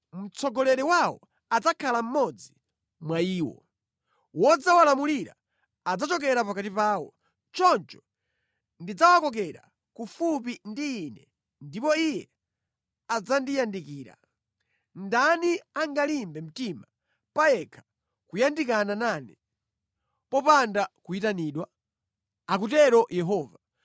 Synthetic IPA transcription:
m̩t͡sʰɔɡɔlɛɾɛwawɔ̰ | ad͡zakʰalam̩mɔd͡zi | mwaiːwɔ̰ | wɔd͡zawalamuliɾa̰ː | d͡zat͡ʃɔk̬ɛɾapakatipaːwɔ | t͡ʃɔnt͡ʃɔ̥ | ndid͡zawakɔk̬ɛɾa̰ | kufup̬indiːnɛ | ndipɔijɛ | ad͡zandijandikiːɾa̰ | ndaniaŋɡalimbɛm̩tima | pajɛkʰḁ | kujandikananaːni | pɔpandakuitaniːɗwa | ak̬ut̬ɛɾɔjɛɦɔːva

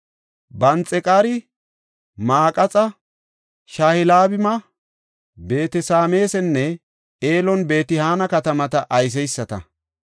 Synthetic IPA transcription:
bɐnt͡sʼɛkʼaːɾɪ | maːkʼɐt͡sʼɐ | ʃaːhɪlaːbɪmɐ | be̞ːt̪ɛsaːme̞ːsɛnːɛ | eːlɔnbe̞ːt̪ɪhaːnɐkɐt̪ɐmɐt̪ɐʔɐjs̬ɛjsːɐt̪ɐ̰

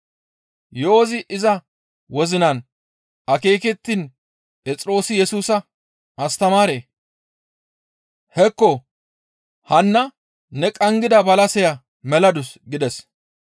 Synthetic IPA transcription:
joːzɪʔɪzɐ | wɔzɪnɐn | ɐke̞ːkɛt̪ːin | pʼɛt͡sʼɾo̞ːsɪjɛsuːsɐ | ʔɐst̪ɐmaːɾeː | hɛkːɔ | hɐnːɐ | nɛkʼɐŋɡɪd̪ɐbɐlɐsɛjɐ | mɛlɐd̪ʊsɡɪd̪ɛs

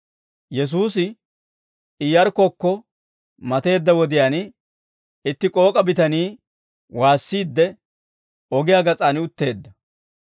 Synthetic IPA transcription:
jɛs̬uːsɪ | ɪjɐɾkɔkːɔ | mɐt̪e̞ːd̪ːɐwɔd̪ɪjaːn | ɪt̪ːɪkʼo̞ːkʼɐbɪt̪ɐniː | waːsːiːd̪ːɛ | ɔɡɪjaːɡɐt͡sʼaːnɪʊt̪ːe̞ːd̪ːɐ

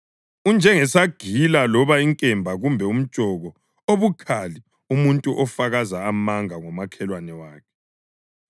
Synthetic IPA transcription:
und͡ʒʱɛŋɛsaɡ̥ʱilalɔβaiŋkʼɛmbʱaɣumbʱɛum̩d̥t͡ʃʒ̥ʼʱɔɣɔ | oβukʰali | umuntʼuʔɔfaɣazaːmaŋaŋɔmakʰɛlwanɛwaːkʰɛ̥

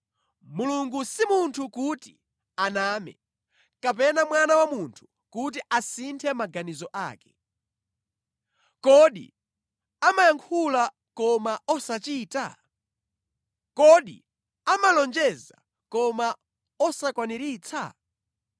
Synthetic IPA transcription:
muluŋɡusimuntʰukuti | anaːmɛ̰ | kapɛnamwanawamuntʰu̥ | kut̬iʔasintʰɛmaɡanizɔʔa̰ːkɛ̥ | kɔɗḭ | amajaŋkʰula | kɔmaɔsat͡ʃiːta̰ | kɔɗḭ | amalɔnd͡ʒɛza̰ | kɔma | ɔsakwaniɾiːt͡sʰa̰

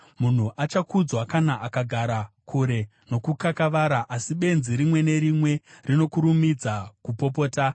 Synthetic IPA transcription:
mun̤uʔat͡ʃakud͡zwakanaʔakaɡʱaɾakʰuɾe̞ | no̞kukakaʋaɾaʔasiɓe̞nziɾimwe̞ne̞ɾimwe̞rino̞kuɾumid͡zakupo̞p̬o̞ːta

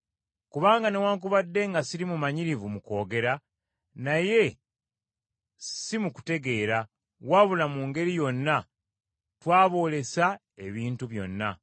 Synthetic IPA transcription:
kuβaːŋɡanewaːŋk̬uβadːe̞ŋɡasiɾimumaɲiɾivumuko̞ːɡe̞ɾa | naje̞ | simuku̥te̞ɡe̞ːɾa | waβulamuŋɡe̞ɾijo̞nːa | twaːβo̞ːle̞sa | e̞βiːntuβjo̞̰nːa̰

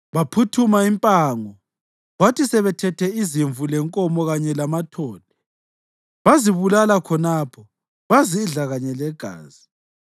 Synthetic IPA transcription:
βapʰutʰumaimpʼaːŋɔ | βatisɛβɛtʰɛtʰɛiziɱvulɛŋkʼɔmɔɣaɲɛlamatʰɔːlɛ | βaziβulalakʰɔnapʰɔ | βaziːɮaɣaɲɛlɛɡ̥ʱa̰ːzi

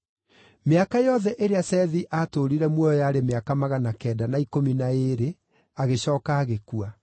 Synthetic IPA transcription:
meakajɔðɛʔeɾeasɛðiʔaːtoɾiɾɛmwɔjɔjaːɾemeakamaɣanakɛːdanaikominaeːɾe | aɣeɕɔːkaːɣekua

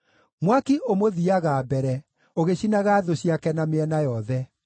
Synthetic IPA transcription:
mwakiʔomoðiaɣaːbɛɾɛ | oɣeɕinaɣaːðoɕiakɛnameɛnajɔðɛ

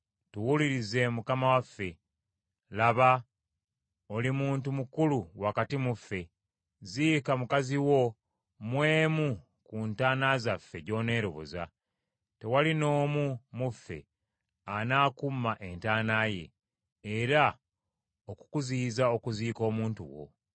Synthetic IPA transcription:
tuwuliɾize̞mukamawafːe̞ | laβa | o̞limuːntumukuluwakatimufːe̞ | ziːkamukaziwo̞ | mwe̞ːmu | kuntaːnazafːe̞ɟo̞ːne̞ːɾo̞βo̞̰za̰ | te̞walino̞ːmumufːe̞̰ | anaːkumːaʔe̞ntaːnaːje̞̰ː | ɾa | oku̥kuziːzao̞kuziːko̞ːmuːntṵwo̞̰

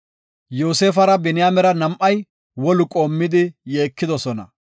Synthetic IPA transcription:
joːseːfɐɾɐbɛnɪjaːmɛɾɐnɐmʔːɐj | wɔlʊkʼoːmːɪd̪ɪjeːkːɪd̪ɔsɔnɐ̰

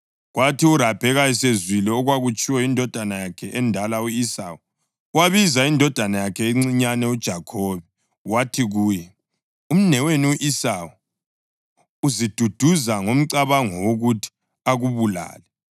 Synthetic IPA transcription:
ɣwatʰiurab̥ʱɛɣajisezwilɛɔɣwaɣut͡ʃʼʰiwɛindʱɔd̥ʱanajakʰɛʔɛndʱalauisa̰ːwu | waβizaindʱɔd̥ʱanajakʰɛiŋ͡ǀiɲanɛud̥ʒ̥ʱakʰoːβɛ | watʰiɣuːjɛ | um̩nɛweniuʔisawu | uzid̥ʱud̥ʱuzaŋom̩ǀaβaŋɔwoɣutʰi̥ | aɣuβula̰ːlɛ

